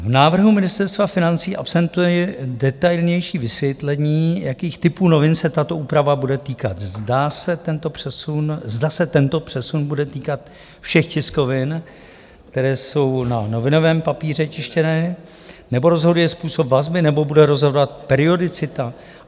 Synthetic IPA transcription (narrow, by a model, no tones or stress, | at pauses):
vnaːvr̩ɦumɪnɪst̪ɛɾst̪vafɪnant͡siːʔapsɛnt̪ujɛjɛdɛt̪ajlɲɛjʃiːvɪsvjɛt̪lɛɲiːjakiːxt̪ɪpuːno̞vɪnsɛt̪at̪o̞ʔuːpɾavabudɛt̪iːkat̪zdasɛt̪ɛnt̪opr̥ɛsunzdasɛt̪ɛnt̪o̞pr̥ɛsunbudɛt̪iːkat̪ | fʃɛxcɪsko̞vɪn | kt̪ɛɾɛːso̞wnano̞vɪno̞vɛːmpapiːr̝ɛt͡ʃɪʃcɛnɛː | nɛbo̞ɾozɦo̞dujɛspuːso̞pvazbɪnɛbo̞budɛɾo̞zɦodoat̪̚pɛɾɪo̞dɪt͡sɪt̪a